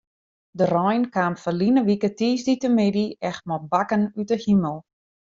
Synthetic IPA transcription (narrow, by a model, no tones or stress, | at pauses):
dərɔjnkaːmfəlinəʋikətiːsditəmɪdiɛxt̚mɔbakənytəhiməlˠ